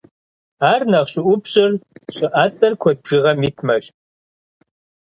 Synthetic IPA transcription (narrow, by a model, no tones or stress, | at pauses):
aːrnɐʁɕʼɪʔʷʊpʰɕʼɪrɕʼɪʔat͡sʼɐrkʷʰɔʒ̥iʁɐmiːtʰmɐɕ